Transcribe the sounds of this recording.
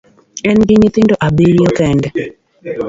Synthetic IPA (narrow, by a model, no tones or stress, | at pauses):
ɛnɡɪɲɪt̪ɪndoʔabeɾjokɛndɛ